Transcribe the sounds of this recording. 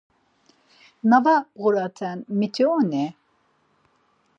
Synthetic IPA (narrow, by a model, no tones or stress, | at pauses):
navaɣuɾat̪ʰɛnmit̪ʰionɛ